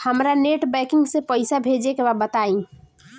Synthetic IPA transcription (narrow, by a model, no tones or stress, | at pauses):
həmɾaneʈbɛkiŋɡsẽpəɪsabʱed͡ʒekebabət̪aĩ